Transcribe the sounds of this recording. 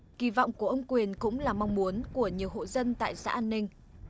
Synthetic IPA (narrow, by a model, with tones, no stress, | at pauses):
ki˧˩vɔ̰˧˨wŋ͡mku˧˩əʔə˧wŋ͡mkwi˨˩ənkʊ̰˧˥ŋ͡mlaː˨˩ma˧wŋ͡mmu˨˦ənku˧˩əɲi˨˩əwɦo̰˧˨zə˧nt̪a̰ː˧˨jsa̰ː˧˥ʔaː˧nːï˧ŋ̟